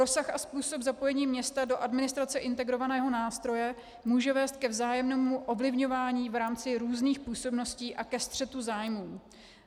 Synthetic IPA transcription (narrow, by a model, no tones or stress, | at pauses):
ɾo̞saxʔaspuːso̞bzapo̞jɛɲiːmɲɛst̪ado̞ʔadmɪnɪst̪ɾat͡sɛʔɪnt̪ɛɡɾo̞vanɛːɦo̞naːst̪ɾo̞jɛ | muːʒɛvɛːst̪̚kɛvzaːjɛmnɛːmuʔo̞vlɪvɲo̞vaːɲiːvɾaːmt͡sɪɾuːzniːxpuːso̞bno̞sciːʔakɛst̪r̝̥ɛt̪uzaːjmuː